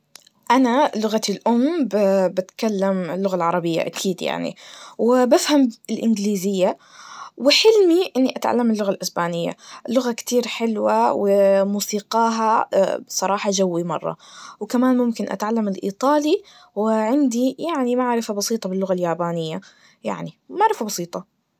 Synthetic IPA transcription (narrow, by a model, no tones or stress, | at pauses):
ʔanalʊɣat̪ɪlʔʊmbbɪt̪kalːamɪlːʊɣalʕɑɾˤɑbɪjːa̰ʔa̰kʰiːd̪ja̰ʕnḭwɪbafhamɪlʔɪnɡliːzɪjːa | wɪħɪlmiʔɪnːiʔat̪ʕa̰lːamɪlːʊɣalʔɪsbaːnɪjːa̰lʊɣakt̪iːɾħɪlwawɪmuːsiːqɑːɦa̰sˤɑɾˤɑːħɑd͡ʒawːimɑ̰rˤːɑ̰wkamaːnmʊmkɪnʔa̰t̪ʕalːamɪlʔḭːt̪ˤɑːli | wɪʕɪnd̪ijaʕnimaʕɾɪfabɑsˤiːt̪ˤɑbɪlːʊɣaljaːbaːnɪjːa | ja̰ʕnimaʕɾɪfabɑsiːt̪ˤɑ